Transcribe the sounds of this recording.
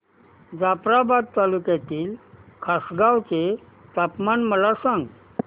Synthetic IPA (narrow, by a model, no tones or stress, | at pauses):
d͡zapɾabad̪̚t̪alukjat̪iːlkʰasɡawt͡se | t̪apmanməlasãŋɡ